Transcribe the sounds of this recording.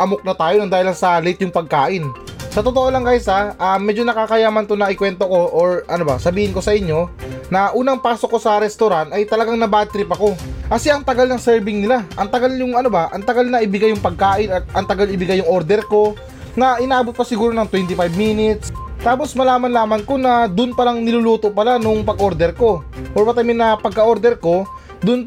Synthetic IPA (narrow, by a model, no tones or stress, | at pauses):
ʔɐmok̚nɐt̪aːjonond̪aːhɪlɐŋsɐlɛjt̪jʊŋpɐɡ̚kaːʔɪnsɐt̪ot̪oʔo̞lɐŋkajsaʔamːɛd͡ʒonɐkaːkɐjaːmɐnt̪onɐɪkwɛnt̪oko̞ʔoɹʔɐnoba̰sɐbiːhɪnko̞sɐʔɪɲːo̞nɐʔuːnɐŋpaːso̞ko̞sɐɾɛst̪oɾant̪ɐjt̪ɐlɐɡaŋnɐbat̪ɾɪpɐko̞kɐsɛʔɐŋt̪ɐɡalnɐŋsɛɹbɪŋnɪlaʔɐŋt̪ɐɡaljʊŋɐnobaʔɐŋt̪ɐɡalnɐʔɪbɪɡajʊŋpɐɡ̚kaːʔɪnɐt̪̚ʔɐŋt̪ɐɡalɪbɪɡajːʊŋʔo̞ɾd̪ɛɾko̞ | nɐʔɪnaːbot̪̚pɐsɪɡuːɾonɐŋt̪wɛnt̪ɪfajbminɪt̪̚st̪aːpo̞smɐlaːmɐnlaːmɐŋko̞nɐd̪ʊnpɐlaŋnɪluluːt̪oʔpɐlanʊŋpɐɡʔo̞ɾd̪ɛɾko̞ʔoɾpɐt̪ɐmɪnɐpɐɡ̚kɐʔo̞ɾd̪ɛɾko̞ | d̪ʊn